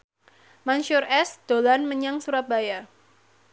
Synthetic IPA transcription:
manʃʊrʔɛsd̪̥olanməɲaŋsuɾat̪̚baja

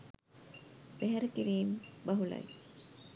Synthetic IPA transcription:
b̥æɦɛɾəkiɾiːmbɐɦulɐ̰j

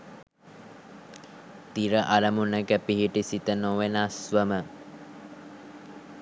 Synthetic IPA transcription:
t̪iɾəʔaɾəmunəkəpiɦiʈisit̪ənoʋenasʋəmə

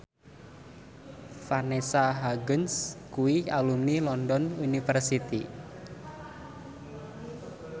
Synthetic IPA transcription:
fanesaɦaɡənskuialumnilɔndɔnunifərsit̪i

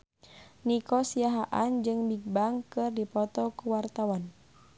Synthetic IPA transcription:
nikɔsiaɦaʔand͡ʒɨŋbiɡ̚baŋkɨrdipɔt̪ɔkuwart̪awan

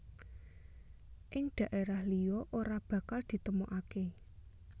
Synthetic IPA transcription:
ʔɪŋɖ̪̥ä̤ʔeɾahlijɔʔoɾab̥ä̤kald̪̥i̤t̪əmoʔake

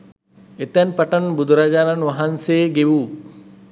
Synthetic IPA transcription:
et̪ɛnpaʈɐnbud̪uɾad͡ʒaːnanʋaɦanseːɡeʋuː

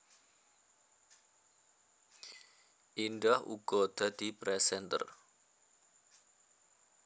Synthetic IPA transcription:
ʔinɖahʔṵɡ̥ɔd̪̥a̤d̪̥i̤pɾɛsɛnt̪ə̰r

